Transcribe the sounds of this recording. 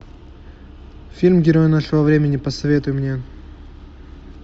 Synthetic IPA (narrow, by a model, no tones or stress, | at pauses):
fʲilʲmɡʲɪɾo̞jnaʂɨvəvɾʲemʲɪnʲɪpəsɐvʲe̞t̪ʊjɪmnʲe